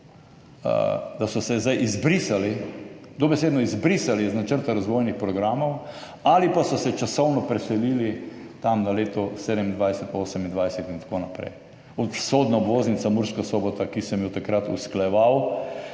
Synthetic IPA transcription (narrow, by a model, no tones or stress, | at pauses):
ə̰d̪asɔsɛzd̪ajʔizbɾisalid̪ɔbɛseːd̪nɔizbɾisaliznat͡ʃəɾt̪aɾazʋoːjnixpɾɔɡɾaːmɔw | alipasɔsɛt͡ʃasɔwnɔpɾɛsɛliːlit̪amnaleːt̪ɔseːd̪ɛmind̪ʋajsɛt̪oːsɛmind̪ʋajsɛt̪int̪ḁkoːnapɾɛ̰j | ɔt̪soːd̪naobʋoːznit̪samuɾʃkasoːbɔt̪akisɛmjot̪akɾat̪ṵsklajɛʋaw